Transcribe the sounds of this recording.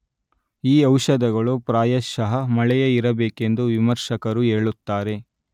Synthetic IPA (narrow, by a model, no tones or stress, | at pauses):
iːɐwʃɐd̪ɐɡɐɭupɾaːjɐʃɐɦɐmɐɭɛjɐiɾɐbeːke̞nd̪uʋimɐɾʃɐkɐɾuɦe̞ːɭut̪ːaːɾe̞